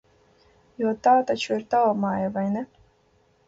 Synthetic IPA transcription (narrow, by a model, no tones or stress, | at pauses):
jut̪aːt̪at͡ʃuiɾt̪awmaːjavajnɛ